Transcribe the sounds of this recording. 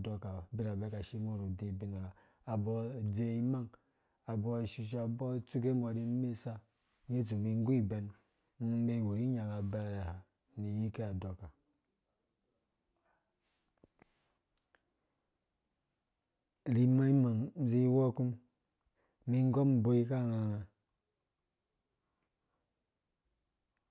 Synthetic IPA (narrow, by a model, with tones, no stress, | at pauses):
do˦ka˨bi˦ɾa˨be˦ka˨ʃi˦mo˦˨ɾo˨de˨bi˨na˨ɡaː˨ | bɔ˦˨d͡ze˨i˦ma˦ŋ | a˨bɔ˦˨ʃi˨ʃ̬a˨bɔ˦tu˦ke˦m˨a˨ɾi˦me˦˨sa˦ | e˦t̬u˨mi˨ŋ˦ɡu˦i˦˨be˨˦n˦ | me˦˨wo˨ɾi˦ɲa˨ɡa˨ba˦˨ɾe˨ha˨ | ni˨ji˦ke˦a˨do˨ka˨ | ɾi˨ma˦i˦ma˨ŋ̩˦zi˦wo˦ku˦m | mi˦ŋ˦ɡo˦m̩˨bo˦i˦ka˦˨ŋa˨ŋa˨